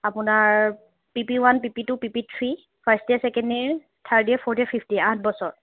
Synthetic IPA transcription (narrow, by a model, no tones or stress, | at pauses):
apʊnaɹ | pipiwanpipitʊpipitʰɹi | pʰastɛsɛkɛndiɹ | t̪ʰaɹdiɛpʰɔɹtɛpʰifʰtiat̚ʰbɔsɔɹ